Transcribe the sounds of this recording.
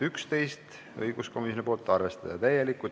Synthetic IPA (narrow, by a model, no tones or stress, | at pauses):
ykst̪e̞jst̪ | ɤ̰jɡ̥usko̞misjonipo̞ːlt̪ˑːɑrve̞st̪ɑd̪̥ɑt̪æjːelikːˑu